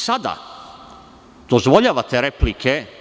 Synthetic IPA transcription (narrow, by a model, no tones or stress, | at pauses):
sad̪a̰ | d̪̥ozʋo̞ʎaːʋat̪eɾeplikʰe